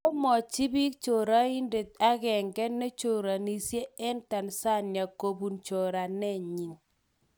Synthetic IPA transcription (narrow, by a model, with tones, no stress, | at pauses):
o˦mɔ˨t͡ʃi˦bi˦k̚t͡ʃo˨ɾa˦i˦nde˨ta˦ɡɛ˨ŋɡɛ˦nːe˦t͡ʃo˨ɾa˨ni˨sje˦ɛ˦nta˨nsa˦˨nja˨ko˨bu˨nt͡ʃo˨ɾa˨nɛ˦˨ɲi˨ŋ